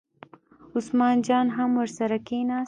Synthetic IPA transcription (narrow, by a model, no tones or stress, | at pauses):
ʊsmɑːnd͡ʒɑːnɦamwəɾsaɾakenɑ